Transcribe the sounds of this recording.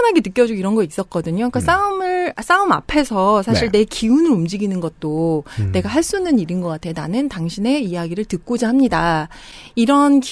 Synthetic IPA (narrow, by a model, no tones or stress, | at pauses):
nɦaɡenɯk͈jʌd͡ʑuiɾʌnɡʌis͈ʌk͈ʌdɯɲok͈as͈aɯmɯɭas͈aɯma̰pʰe̞sʰʌsʰaɕʰiɭne̞kiunɯɾumd͡ʑiɡinɯnɡʌt̚t͈one̞ɡaɦaɭs͈unːɯɲiɾinɡʌk͈atʰe̞nanɯntaŋɕʰine̞ijaɡiɾɯɭtɯk̚k͈od͡ʑaɦamɲida | iɾʌnk